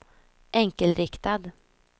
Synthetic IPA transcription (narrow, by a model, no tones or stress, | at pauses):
ʔɛŋkəlɾɪkt̪ad̪